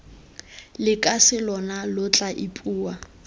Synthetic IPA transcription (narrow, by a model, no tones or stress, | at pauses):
lɪkʼasɪlɔnalʊt͡ɬʼaʔɪpʼuːa